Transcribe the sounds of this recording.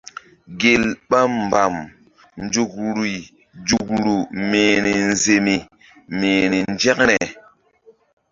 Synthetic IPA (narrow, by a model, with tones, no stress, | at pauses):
ɡe˨lɓa˦m˨ba˨m | nd͡ʒu˨k̚ɾu˨ | d͡ʒu˨k̚ɾu˨meː˨ni˨n˨ze˨mi˨ | meː˨ni˨nd͡ʒe˦kɾe˨